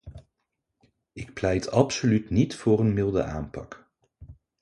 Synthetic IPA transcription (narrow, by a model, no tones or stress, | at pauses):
ɪk̚plɛjtɑpsolytnitfʊːɾənmɪlˠdə̰a̰ːmpɑk